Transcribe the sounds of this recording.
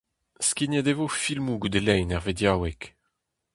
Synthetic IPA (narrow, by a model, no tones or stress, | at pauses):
skʲined̪evofilmuɡud̪elɛjnɛʁvedjawɛk